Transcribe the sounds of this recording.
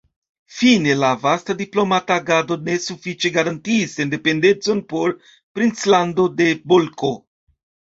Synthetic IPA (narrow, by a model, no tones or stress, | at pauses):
fine̞lavastadiplo̞mataɡado̞ne̞sufit͡ʃe̞ɡaɾantiːsende̞pe̞nde̞nt͡so̞npo̞ɾ | pɾint͡slando̞de̞bolko̞